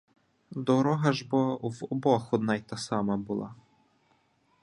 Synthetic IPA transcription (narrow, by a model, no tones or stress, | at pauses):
d̪ɔɾɔɦɐʒbɔwɔbɔxɔd̪nɑjt̪ɑsɑmɐbʊlˠɑ̰